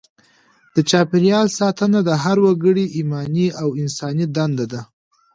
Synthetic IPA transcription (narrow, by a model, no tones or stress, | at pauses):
d̪̥ət͡ʃɑpɪɾjɑlsɑt̪ənad̪əɦaɾwaɡəɽiʔimɑniawɪnsɑnid̪and̪ad̪a